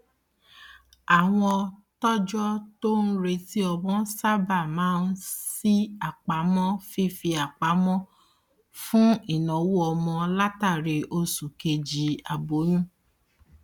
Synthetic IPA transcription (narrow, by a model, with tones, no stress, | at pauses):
a˨w̃ɔ̃˧ɔ˧ | tɔ˦d͡ʒɔ˦to˦n̩˦ɾe˧ti˦ɔ˧bɔ̃˦sa˦ba˦˨mãː˨˦n̩˦si˦a˨k͡pa˨˦mɔ̃˦fi˦˨fi˧a˨k͡pa˨˦mɔ̃˦ | fũ˦i˦˨nɔ̃˨˦wu˦ɔ˧mɔ̃˧la˦ta˦˨ɾe˧ʔo˧su˨ke˧d͡ʒi˨˧a˧bo˨˦nũ˦